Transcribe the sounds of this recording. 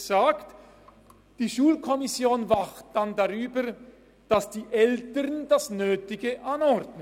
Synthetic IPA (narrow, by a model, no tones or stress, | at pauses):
z̥aːkt | d̥iːʃuːlkʰɔmɪsjoːnvaχt̚d̥andaʁyːbə | d̥asd̥iːʔɛltəʁndasnøːtɪɡəʔanɔʁdnə